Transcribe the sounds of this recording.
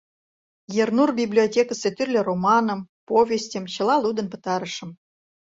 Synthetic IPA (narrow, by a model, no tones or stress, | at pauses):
jernurbʲiblʲiotʲekəset̪yrʲlʲĕromɑnə̆mpovʲesʲtʲə̆mɕɤ̆lˠɑlˠud̪ə̆npɤ̥̆t̪ɑɾə̆ʂə̆m